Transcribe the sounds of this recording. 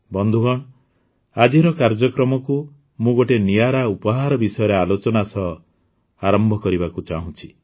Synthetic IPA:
bɔnd̪ʱuɡɔɽ̃ | ad͡ʒiɾɔkaɾd͡ʒɔkɾɔmɔku | mũɡoʈenijaɾaupɔɦaɾɔbisɔjɔɾealot͡ʃɔnasɔ | aɾɔmbʱɔkɔɾibakut͡ʃaɦũt͡ʃʰi̥

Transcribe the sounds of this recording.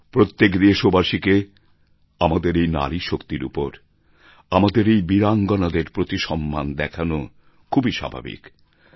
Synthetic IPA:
pɾot̪ːekd̪eʃobaʃike | amad̪eɾejna̰liʃokt̪iɾṵpoɾ | amad̪eɾejbiɾaŋɡonad̪eɾpɾot̪iʃɔmːand̪ɛkʰano | kʰubiʃa̰bʱa̰bḭk

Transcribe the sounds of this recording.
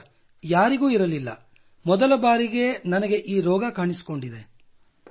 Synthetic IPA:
jaːɾiɡuːiɾɐlilːɐ̰ | mɔd̪ɐlɐbaːɾiɡe̞nɐnɐɡe̞ʔiːɾɔːɡɐkaːɳisi̥ko̞ɳɖid̪e̞

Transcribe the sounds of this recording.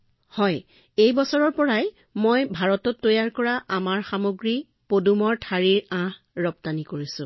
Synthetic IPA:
hɔj | ejbɔsɔɹɔɹpɔɹaj | mojbʱaɹɔtɔtːojaɹkɔɹaʔamaɹxamoɡɹi | podumɔɹtʰaɹiɹãh | ɹɔptanikoɹisʊ̰̃

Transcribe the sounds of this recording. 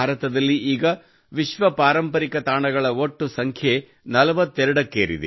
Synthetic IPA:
aːɾɐt̪ɐd̪ɐlːiiːɡɐ | ʋiʃʋɐpaːɾɐmpɐɾikɐt̪aːɳɐɡɐɭɐoʈːusɐŋkʰje | nɐlɐʋɐt̪ːɛɾɐɽɐkːeːɾḭd̪e

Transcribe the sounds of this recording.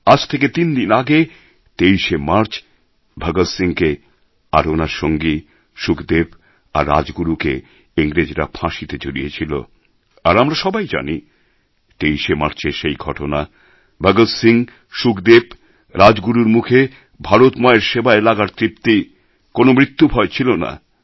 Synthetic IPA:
ad͡ʑt̪ʰeket̪ind̪inaɡe | t̪eijʃemaɾt͡ɕ | bʱaɡosiŋke | a̰ɾonaɾʃoŋɡi | ʃukd̪eb | a̰ɾːa̰d͡ʑɡuɾuke | iŋɾed͡ʑɾa̰pʰãʃit̪ed͡ʑoɾijet͡ɕʰilo̰ | aɾamɾaʃɔbajd͡ʑa̰ni | t̪ejʃemaɾt͡ɕeʃejɡʱɔʈona | bʱaɡosiŋ | ʃukd̪eb | ɾad͡ʑɡuɾuɾmukʰe | bʱaɾot̪maeɾʃebaelaɡaɾt̪ɾip̚t̪i | konomɾit̪ːubʱɔet͡ɕʰilona̰

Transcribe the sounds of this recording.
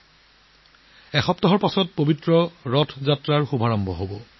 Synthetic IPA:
ɛxɔp̚tɔɦɔɹpasɔt̚pobitɹɔɹɔtʰzatɹaɹxubʱaɹɔmbʱɔ̰ɦobɔ

